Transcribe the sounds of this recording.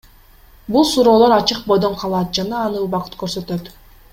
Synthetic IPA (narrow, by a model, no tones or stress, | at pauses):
bulˠsuɾo̞ːlˠo̞ɾɑt͡ʃɯq̚bo̞jd̪o̞ɴqʰɑlˠɑːt̪̚d͡ʒɑnɑːnɯːlˠbɑqɯ̥t̪køɾsø̞t̪øt̪